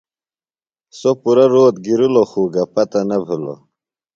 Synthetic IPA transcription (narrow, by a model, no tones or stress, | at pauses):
sopuɾɐɾoːt̪ɡiɾuloxuːɡɐpɐt̪ɐnɐbʱulo̰